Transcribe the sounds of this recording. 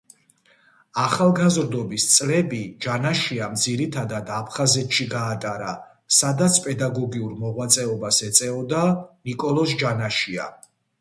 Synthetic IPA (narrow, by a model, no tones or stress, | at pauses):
aχalˠɡazɾd̪ɔbist̪sʼlɛbid͡ʒanaʃiamd̪ziɾit̪ʰad̪ad̪apʰχazɛt̪ʰʃiɡaːt̪ʼaɾa | sad̪at̪sʰpʼɛd̪aɡɔɡiuɾmɔʁwat̪sʼɛɔbasɛt̪sʼɛɔd̪anikʼɔlˠɔsd͡ʒanaʃia̰